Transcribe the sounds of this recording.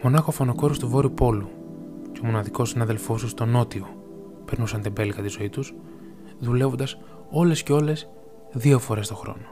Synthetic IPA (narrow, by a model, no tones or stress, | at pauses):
mo̞nɐxo̞fonoko̞ɾost̪uvo̞ɾiupo̞lu | ceomo̞nɐðiko̞sinɐðelfo̞sust̪o̞no̞t̪io | pe̞ɾnusɐnt̪ebe̞lɣɐt̪izo̞it̪us | ðule̞vond̪ɐs | o̞le̞sceo̞le̞s | ðio̞fo̞ɾe̞st̪o̞xɾo̞̰no